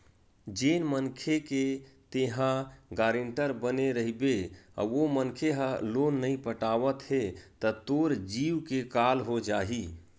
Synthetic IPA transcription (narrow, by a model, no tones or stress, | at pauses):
d͡ʒeːnmənkʰeket̪eɦãɡaːɾɪɳʈəɾbəneɾəɦibea̰omənkʰeɦəlonːəĩpəʈaːʋət̪ɦet̪ət̪oːɾd͡ʒiːwkekalɦod͡ʒaːɦi